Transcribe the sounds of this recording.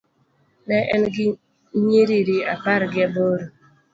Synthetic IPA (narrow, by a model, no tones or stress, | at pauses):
nɛʔɛ̰nɡɪ | ɲeɾiɾiapaɾɡɪaboɾo